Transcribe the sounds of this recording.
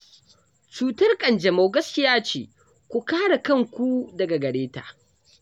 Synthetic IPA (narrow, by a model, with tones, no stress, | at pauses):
t͡ʃuː˨tɐ˦rkʼɐ˨nd͡ʒɛ˨mo˨wɡɐ˦skʲɪ˦jaː˦t͡ʃḛː˨ | kʷu˦kaː˦ɽa˨kɐ˦˨ŋkʷu˦dɐ˨ɡa˨ɡɐ˨ɽeː˦ta̰ː˨